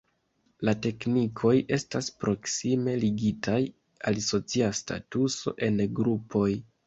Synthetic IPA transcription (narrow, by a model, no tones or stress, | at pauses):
late̞knikʰo̞je̞staspɾo̞ksime̞liɡitʰaj | also̞t͡siasta̰tuso̞̰ʔe̞nɡɾupʰo̞j